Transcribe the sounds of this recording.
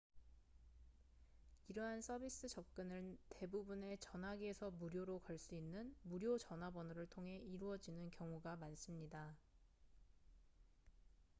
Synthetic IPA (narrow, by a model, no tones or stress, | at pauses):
iɾʌɦans͈ʰʌbʱis͈ɯt͡ɕʌp̚k͈ɯnɯte̞bubune̞t͡ɕʌnɦaɡiesʰʌmuɾjoɾokaɭs͈uinːɯnmuɾjot͡ɕʌnɦabʌnɯɾɯɭtʰoŋɦe̞iɾuʌd͡ʑinɯnkjʌŋuɡamans͈ɯmɲida